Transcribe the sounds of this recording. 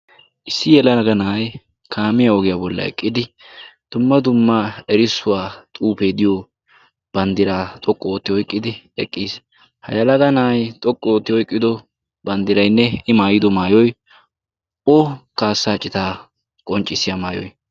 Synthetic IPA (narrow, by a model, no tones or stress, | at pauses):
ʔɪsːɪjɛlɐɐɡɐnaːj | kʰaːmɪjɐɔɡɪjabɔlːɐ̰ɛ̰kʼːɪd̪ɪ | d̪̥ʊmːɐd̪ʊmːaɛɾɪsːʊwaːt̪ʼuːpeːd̪ɪjo | b̥ɐnd̪ɪɾaːt̪ʼɔkʼːɔoːt̪ːɪhɔjkʼːɪd̪ɪɛkʼːiːs | hɐ̰jɐlɐɡɐnaːjt̪ʼɔkʼːɔoːt̪ːɪhɔjkʼːɪd̪ɔ | bɐnd̪ɪɾɐjnːɛɪmaːjɪd̪ɔmaːjɔj | okaːsːaːt͡ʃʼɪt̪aː | kʼɔnt͡ʃʼːɪsɪjɐmaːjɔ̰j